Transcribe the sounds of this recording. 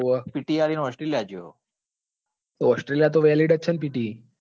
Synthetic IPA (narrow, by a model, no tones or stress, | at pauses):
əpiʈialinoɔsʈɾeljad͡ʒo̰ | t̪oɔsʈɾeljat̪̬oʋaliɽət͡ʃʰənpiʈi